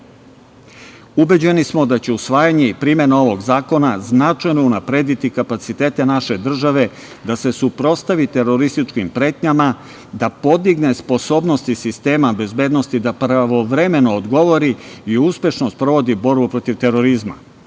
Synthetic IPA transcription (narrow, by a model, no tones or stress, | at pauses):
ube̞d͡ʑe̞nismo̞d̪at͡ɕe̞usʋaːjaɲe̞ipɾiːmje̞nao̞ʋo̞ɡzaːko̞naznat͡ʃajno̞unapɾe̞ːd̪it̪ikapat̪sit̪e̞ːt̪e̞naʃe̞d̪r̩ʒaʋe̞ | d̪ase̞supɾo̞st̪aʋit̪e̞ɾo̞ɾist̪it͡ʃkimpɾe̞ːt̪ɲama | d̪apo̞d̪iɡne̞spo̞so̞ːbno̞st̪isist̪e̞ːmabe̞zbe̞ːd̪no̞st̪id̪apɾaʋo̞ʋɾe̞me̞no̞ːd̪ɡo̞ʋo̞ɾiiuspʲje̞ʃno̞st̪̚pɾo̞ʋo̞d̪ibo̞ɾbupɾo̞t̪iʋt̪e̞ɾo̞ɾizma̰